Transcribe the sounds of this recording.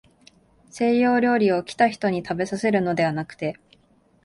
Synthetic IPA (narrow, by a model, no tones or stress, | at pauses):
se̞ːjo̞ːɾʲo̞ːɾʲio̞kʲi̥t̪açi̥t̪o̞ɲ̟it̪abe̞sase̞ɾɯ̟no̞d̪e̞βanakɯ̟̥t̪e̞